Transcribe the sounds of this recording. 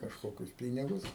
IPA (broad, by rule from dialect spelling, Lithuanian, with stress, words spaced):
kɐʃˈkoːkʲʊs ˈpʲiːnʲɪɡʊs